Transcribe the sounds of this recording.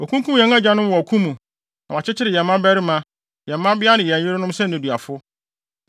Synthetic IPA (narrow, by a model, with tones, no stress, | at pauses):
o˨kʰũ˦ŋkʰu˦m˦jɛ̃˨ŋã˦d͡ʑa˦nʊ̃˦m˦wɔ˨kʰũ˦mũ˨ | nã˨wa˨t͡ɕʰɪ˦t͡ɕʰɪ˦ɾɪ˨jɛ̃˨mː˦ã˦bæ˦ɾɪ˦mã˦ | jɛ̃˨mː˦ã˦bɪ˦a˦nɪ̃˨jɛ˨ɲ̃˨ɪ̃˦ɾɪ˦nʊ̃˦msɛ̃˦nɪ̃˨dɥa˨fʊ˦